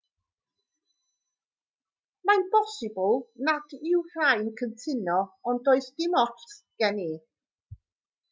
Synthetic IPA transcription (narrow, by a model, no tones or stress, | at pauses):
manbɔsɪbl̩ˠnad̥ɪwr̥ajnkʰəntʰɪnɔɔndoɨsd̥ɪmɔts | ɡ̥ɛni